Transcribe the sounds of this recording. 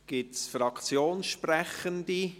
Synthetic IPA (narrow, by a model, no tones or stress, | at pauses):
ɡ̥ɪtsfɾɑkʰt͡sjoːnʃprɛχənd̪i